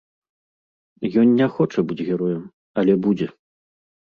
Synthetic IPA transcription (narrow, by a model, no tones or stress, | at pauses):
jɔnːʲɛxɔt͡ʂɐbɨd͡zʲɣʲɛɾɔjɛm | ɐlʲɛbud͡zʲɛ